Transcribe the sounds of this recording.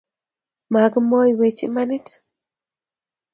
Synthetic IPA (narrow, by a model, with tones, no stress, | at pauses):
ma˨ɡmɔ˦jwe˨t͡ʃḭ˦ma˦ni˦t